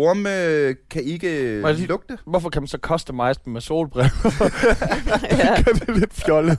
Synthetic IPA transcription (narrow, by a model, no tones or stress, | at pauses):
oɐmkʰæe̝ɡ̥əælɔɡ̥d̥əʋɒfɒ̽kʰædænsɒ̽kʰɒ̽sd̥əmɑ̈ɪ̰sd̥emeso̝̰ːlb̥ʁɛʊ | ɡ̥ɶɐd̥ele̝d̥fjɒ̽lə